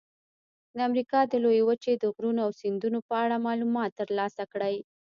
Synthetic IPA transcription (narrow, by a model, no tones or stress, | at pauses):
d̪əamɾikɑd̪əlojewət͡ʃed̪əɣɾunoawsind̪unopəaɽamɑlumɑt̪ːəɾlɑsakɽaj